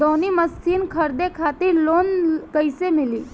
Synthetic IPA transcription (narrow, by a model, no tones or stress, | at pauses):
d̪oniːməsiːnkʰəɾd̪ekʰat̪iːɾlonkəjsemiliː